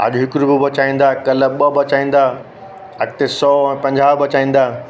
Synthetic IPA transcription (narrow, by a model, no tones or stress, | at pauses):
ɐ̰ʄɦɪkɾubɪbɐt͡ɕaːĩːn̆d̪aːkɐləɓɐɓɐt͡ɕaːĩːn̆d̪aː | ɐkt̪esɔːɛ̃ːpɐ̃ɲd͡ʑʱaːbɐt͡ɕaːĩːn̆d̪aː